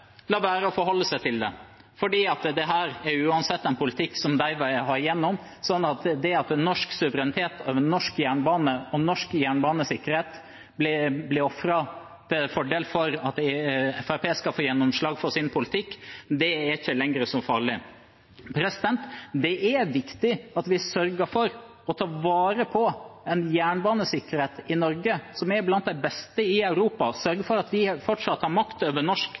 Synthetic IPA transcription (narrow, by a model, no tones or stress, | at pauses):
lɑːʋæːɾəɔfɔɾhɔlːəsæɪt̪ʰɪld̪ɛ | fɔɖiːɑt̪d̪ɛɦæːɾɛɾjʉːɑnsɛt̪ːɛnpʰʊlɪt̪ʰɪkːsɔmd̪æɪʋɑɦɑɾjɛnːɔm | sɔnːɑt̪d̪ɛɑt̪nɔʂksʉʋəɾɛnɪt̪ʰeːt̪oʋənɔʂkjæːɳbɑːnəɔnɔʂkjæːɳbɑːnəsɪkːəɾheːt̪ | blɪblɪɾɔfɾɑ | t̪ʰɪlfɔɖeːlfɔɾɑt̪ɛfæɾpʰeːskɑlfoːɾjɛnːɔmʂɭɑːɡfɔɾsɪnpʰʊlɪt̪ʰɪkːd̪ɛɛɾɪçːəlɛŋɾəsɔmfɑ̰ːɾɭɪ | pʰɾɛsɪd̪ɛnt̪d̪ɛʔæʋɪkt̪ɪɑt̪ʋɪsœɾɡəfɔɾ | ɔt̪ʰɑːʋɑːɾəpʰɔɛnjæːɳbɑːnəsɪkːəɾheːt̪ɪnɔɾɡəsɔmɛɾblɑnt̪d̪æɪbɛst̪əɪɑʉɾuːpɑsœɾɡəfɔɾɑt̪ʋɪfɔʈʂɑt̪ːhɑɾmɑkt̪øːʋəɳɔʂk